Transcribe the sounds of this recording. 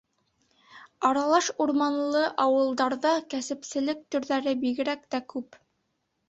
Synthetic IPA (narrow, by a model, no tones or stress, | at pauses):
ɑɾɑlˠɑʃuɾmɑnlˠɤʔɑwɤ̆lˠd̪ɑɾðɑkæsɘ̆psɘ̆lɘk̚t̪ɵ̆ɾðæɾɘbiɣɘ̆ɾæk̚t̪ækʉp